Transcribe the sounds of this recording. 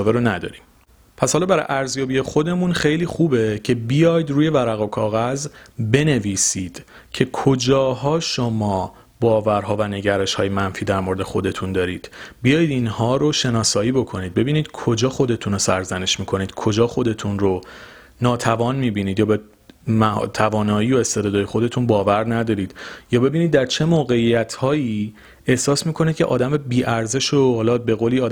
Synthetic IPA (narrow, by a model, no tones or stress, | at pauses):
veɾonæd̪ɒ̰ɾim | pʰæshɒlɒːbæɾɒ̰jʔæɾzjɒːbije̞xo̞d̪e̞munχejliːxuːbe̞cʰe̞bijɒːjd̪ɾuːje̞væɾæɣokʰɒːɣæzbe̞ne̞viːsiːd̪̥ | cʰe̞kʰo̞d͡ʒɒːɦɒːʃo̞mɒː | bɒːvæɾɦɒːvæne̞ɟæɾe̞ʃhɒːjemænfiːd̪æɾmo̞ɾed̪e̞xo̞d̪e̞t̪ʰund̪ɒːɾiːd̪̥bijɒːjid̪inhɒːɾo̞ʃe̞nɒːsɒːjiːbo̞kʰo̞niːd̪̚be̞biːniːd̪̥kʰo̞d͡ʒɒːxod̪e̞t̪ʰunosæɾzæne̞ʃmiːkʰo̞niːd̪̥kʰo̞d͡ʒɒːxo̞d̪e̞t̪ʰunro | nɒːt̪ʰævɒːnmiːbiːniːd̪jɒːbe | mæt̪ʰævɒːnɒːiːo̞e̞st̪ed̪ɒːd̪ɒːje̞xo̞d̪e̞t̪ʰuːnbɒːvæɾnæd̪ɒːɾiːd̪̥jɒːbe̞biːnid̪̚ːæɾt͡ʃʰe̞moːɣe̞ijæt̪ʰhɒːji | e̞hsɒːsmiːkʰo̞niːd̪̚cʰe̞ʔɒ̰ːd̪æmebiːʔæɾze̞ʃohɒːlɒbe̞ɣoliːɒːd̪